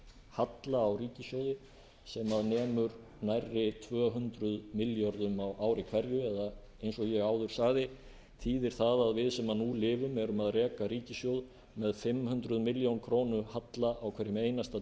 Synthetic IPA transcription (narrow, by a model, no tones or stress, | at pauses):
hat̪laːwriːcɪsjoːwðɪ | sɛmaðnɛːmʏɾ | najrːɪt̪ʰvœːɦʏnt̪ɾʏðmɪljɔɾðʏmawʔaːwɾɪkʰvɛɾjʏɛða | ejnsɔɣjɛɣaːwðʏɾ̥saɣðɪ | t̪ʰiːðɪɾ̥θaðaðvɪðsɛmaðnulɪːvʏmɛɾʏmaðrɛːkaɾiːcɪsjowð | mɛðfɪmhʏnt̪ɾʏðmɪljownkʰɾoːwnʏhat̪laʔawkʰvɛɾɪmeːjnast̪a